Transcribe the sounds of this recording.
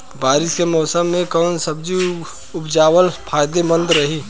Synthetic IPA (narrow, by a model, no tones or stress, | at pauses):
baːɾɪskemɔːsəmːẽkɔːnsɐbd͡ʒi | ʊpd͡ʒaːwəlpʰaːjd̪emə̃nd̪ɾɐɦiː